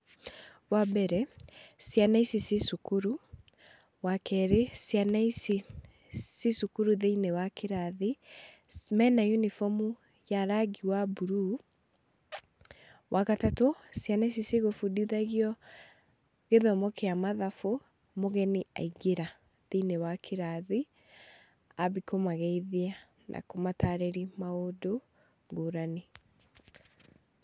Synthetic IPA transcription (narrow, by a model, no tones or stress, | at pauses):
wabɛɾɛsjanaisisisukuɾu | wakɛɾesjanaisi | sisukuɾuðeinewakʰeɾaði | mɛnajunifɔmu | jaɾaɣiwabuɾu | wʔaɣatatosjanɛs̬iseɣofudiðaɣiɔ | ɣeðɔmɔkeamaðafo | moɣɛniʔa̰iɡeɾa | ðenewakʰeɾaði | aβikomaɣɛiðia | nʔa̰komataɾeɾimaodo | ɡoɾane